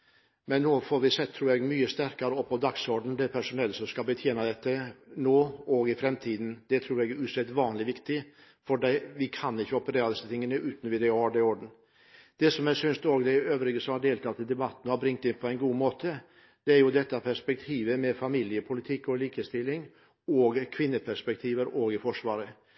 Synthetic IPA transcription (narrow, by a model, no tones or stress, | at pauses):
mɛnːoːfɔɾʋɪsɛt̪ʰːɾuːɾjɛɡmyːəst̪æɾkɑɾəɔpʰɔd̪ɑksɔɾɖn̩d̪ɛpʰæʂʊnɛlːsɔmskɑbət̪ʰjeːnɑd̪ɛt̪ːənoːɔɡɪfɾɛmt̪ʰiːd̪nd̪̥ɛt̪ʰɾuːɾɛɡɾʉːsɛt̪ːʋɑːnlɪʋɪkt̪ɪ | fɔɖɛʋɪkʰɑnɪçːəɔpəɾeːɾɑd̪ɪsət̪ʰɪŋːənəʔʉːt̪n̩ʋɪd̪ɛɑːɖɛɔɖɳ̩ | d̪̥ɛsɔmæsʏnst̪oːɡd̪ɛøːʋɾɪɡəsɔmhɑɖeːlt̪ʰɑt̪ɪd̪ɛbɑt̪ːn̩hɑɾbɾɪŋt̪ɪnpʰɔɛɪnɡuːmoːt̪ʰə | d̪̥ɛæɾjʊd̪ɛt̪ːɑpʰæʂpɛk̚t̪ʰiːʋəmɛfɑmilɪəpʰʊlɪt̪ʰɪkːɔliːkəst̪ɪlːɪŋ | ɔɡkʰʋɪnːəpʰæʂpɛk̚t̪ʰiːʋəɾoːɡɪfɔʂʋɑːɾə